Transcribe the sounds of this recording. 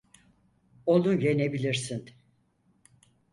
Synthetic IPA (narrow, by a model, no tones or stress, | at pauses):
olˠunɟenebilʲiɾsin